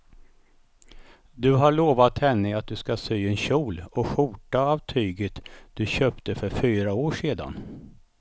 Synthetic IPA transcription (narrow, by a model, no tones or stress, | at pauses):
d̪ɵɦaɭoːvat̪hɛnːəat̪̚d̪ɵskasyːɛnɕuːlɔɧuːʈaːvt̪ʰyːɡət̪d̪̥ɵɕøːpt̪əfœɾfyːɾaoːʂeːd̪a̰n